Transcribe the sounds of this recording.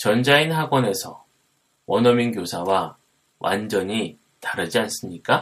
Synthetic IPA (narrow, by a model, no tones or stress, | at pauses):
t͡ɕʌnd͡ʑainɦaɡwʌne̞sʰʌ | wʔʌnʌminɡjosʰawa | wʔa̰nd͡ʑʌɲi | taɾɯd͡ʑians͈ɯmɲik͈a